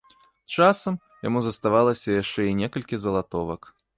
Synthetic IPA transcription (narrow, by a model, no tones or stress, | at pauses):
t͡ʂasɐm | jamuzɐst̪avalˠɐsʲɐjaʂt͡ʂɛinʲɛkɐlʲkʲizɐlˠat̪ɔvɐk